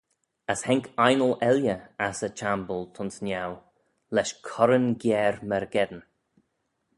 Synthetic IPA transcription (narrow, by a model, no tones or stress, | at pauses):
əshɛŋkʰajnəlɛljəasət͡ʃʰambəlˠt̪ʰʊnsnjaw | lɛʃkʰɔɾənɡjɛːɹməɾɡɛd̪ən